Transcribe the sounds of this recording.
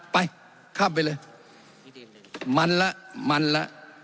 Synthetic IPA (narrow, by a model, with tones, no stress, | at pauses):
paj | kʰa˦belə | ma˨nla˦ma˨nla̰˦